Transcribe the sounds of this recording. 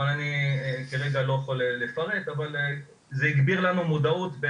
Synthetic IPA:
ananikeʁeɡalo̞jeχoleːefaʁe̞t̪aval | zeiɡbiʁlanumud̪aut̪be

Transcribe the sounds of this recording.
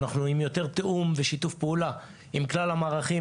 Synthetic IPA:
naχnuimjo̞t̪e̞ʁt̪eʔumveʃitufpeula | imklalamaːʁaχi

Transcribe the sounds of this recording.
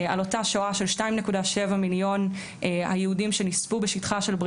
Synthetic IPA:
alo̞taʃoaʃe̞lʃtaimnekudaʃe̞vamiljo̞n | a̰jeudimʃe̞nispubeʃitχaʃe̞lbʁ

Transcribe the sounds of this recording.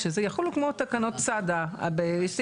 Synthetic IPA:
ʃezejaχulukmot̪akano̞tt͡sad̪aa̰beʃs

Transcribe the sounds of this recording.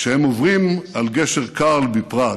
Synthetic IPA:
ʃehemovʁimalɡeʃeʁkalbipʁa

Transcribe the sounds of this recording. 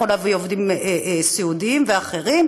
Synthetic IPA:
olavjovd̪imsiud̪iimveaχeʁim

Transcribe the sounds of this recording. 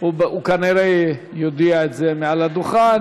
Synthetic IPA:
ubukaniɾe | jod̪iaetzemealad̪uχan

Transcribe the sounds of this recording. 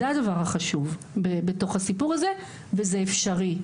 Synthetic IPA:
eadavaʁhaχaʃuv | bebeto̞χhasipuʁaze | vezeefʃaʁi

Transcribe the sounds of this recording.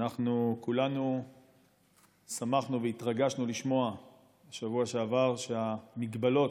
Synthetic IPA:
naχnukulanu | samaχnuveit̪ʁaɡaʃnuliʃmo̞a | ʃavuaʃeavaʁʃeamiɡbalo̞t

